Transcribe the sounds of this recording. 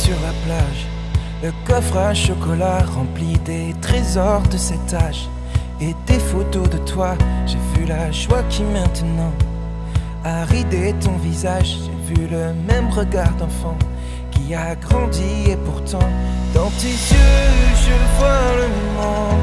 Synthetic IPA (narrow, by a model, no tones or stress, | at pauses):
syʁlaplaʒ | ləkɔfχaʃokɔlaʁɑ̃plid̪e | t̪χezɔʁd̪əsɛt̪aʒ | et̪efot̪od̪ət̪waʒ̥evylaʃwakʲimɛ̃t̪nɑ̃ | aʁid̪et̪ɔ̃vizaʒʒevyləmɛmʁəɡaʁd̪ɑ̃fɑ̃ | kʲiaɡʁɑ̃d̪iepuʁt̪ɑ̃d̪̥ɑ̃t̪isøʒəvwaləmmɑ̃